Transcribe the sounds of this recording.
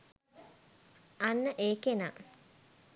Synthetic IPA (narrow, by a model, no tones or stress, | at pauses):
anːəʔeːkena